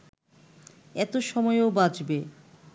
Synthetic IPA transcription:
ɛt̪oʃɔmɔeoobad͡ʑbe

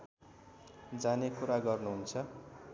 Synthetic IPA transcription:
d͡zanekuɾaɡʌrnuɦunt͡sʰʌ

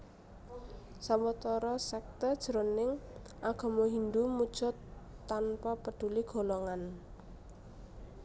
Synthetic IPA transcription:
samət̪ɔɾɔsɛk̚t̪ərd̥ʒ̥əɾonɪŋ | ʔaɡ̥ɔ̤mɔɦind̪umud̥ʒ̥ɔ̤t̪ːanpapəɖ̥ṳliɡ̥o̤lɔŋan

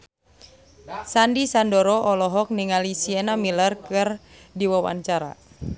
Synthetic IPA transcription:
sandisandoɾɔʔɔlɔɦɔk̚niŋalisiɛnamilərkɨrdiwawa̰ɲt͡ʃaɾa̰

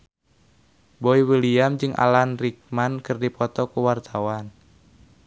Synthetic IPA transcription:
boiwəliamd͡ʒɨŋʔa̰lanrik̚mankɨrdipɔt̪ɔkuwart̪ʰawan

